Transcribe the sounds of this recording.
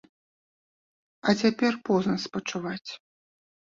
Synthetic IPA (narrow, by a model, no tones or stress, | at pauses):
ɐt͡sʲapʲɛrpɔznɐspɐt͡ʂuvat͡sʲ